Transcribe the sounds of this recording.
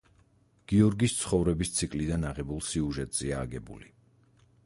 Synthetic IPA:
ɡ̥iɔɾɡist̪sʰχɔvɾɛbist̪sʰikʼlid̪anaʁɛbulˠsiuʒɛt̪ʼz̥iaːɡɛbṵli

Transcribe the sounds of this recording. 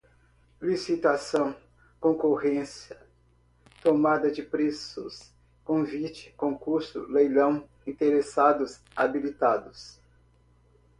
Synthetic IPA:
lisit̪asɐ̃w̃ | kõkohẽsjɐ | t̪omad̪ɐd͡ʒɪpɾesʊ̰s | kõvit͡ʃɪ̥kõkuɾsʊ̰lejlɐ̃w̃ | ĩnt̪eɾesad̪ʊs | abilit̪ad̪ʊs

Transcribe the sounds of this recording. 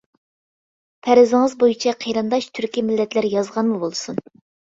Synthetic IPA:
pʰɛɾɪzɪŋɨzbojit͡ʃʰɛqʰeɾɨnd̪ɑʃt̪ʰyɾkʲimɪlːɛt̪læɾjɑzʁɑnmubolˠsun

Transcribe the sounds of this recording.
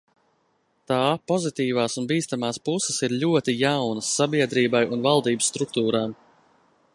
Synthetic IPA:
t̪aːpɔzit̪iːvaːsunbiːst̪amaːspusəsiɾʎʲuɔt̪ijawnəsːabiɛd̪ɾiːbajunvalˠd̪iːbəsːt̪ɾuk̚t̪uːɾaːm

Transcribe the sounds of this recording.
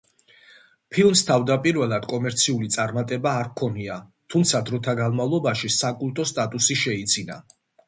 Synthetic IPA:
pʰilˠmst̪ʰavd̪apʼiɾvɛlˠad̪̥kʼɔmɛɾt̪sʰiulit̪sʼaɾmat̪ʼɛbaːɾkʰɔniat̪ʰumt̪sʰad̪ɾɔt̪ʰaɡanmavlˠɔbaʃisakʼulˠt̪ʼɔst̪ʼat̪ʼusiʃɛit̪sʰina̰

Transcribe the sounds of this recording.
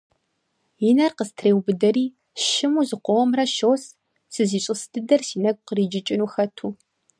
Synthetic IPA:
jɪnɐrqəstʰreːwbɨdɐɾiː | ʃɪmuːzɨqʷɔwɔmrɐʃoːs | sɨziːɕʼɨsdʰɨdɐrsiːnɐɡ̚ʷʼqəriːd͡ʒɪt͡ʃʼɪnuːxɐtʰuː

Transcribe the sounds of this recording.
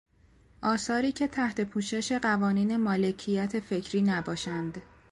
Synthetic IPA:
ʔɒːsɒːɾiːcʰe̞t̪ʰæht̪ʰe̞pʰuːʃe̞ʃe̞ɢævɒːniːne̞mɒːle̞cʰijæt̪ʰe̞fe̞cʰɾiːnæbɒːʃænd̪

